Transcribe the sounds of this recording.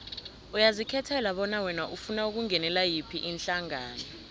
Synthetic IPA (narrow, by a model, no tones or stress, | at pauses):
ujazikʰɛtʰɛlaɓɔnawɛnaʔufunauk̬uŋɛnɛlajipʰiʔinɬaŋaːnɔ